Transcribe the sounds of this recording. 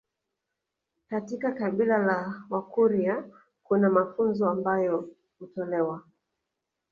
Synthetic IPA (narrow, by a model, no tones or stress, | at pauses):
katikakaɓilalawakuɾia | kunamafunzɔambajɔ | hutɔlɛwa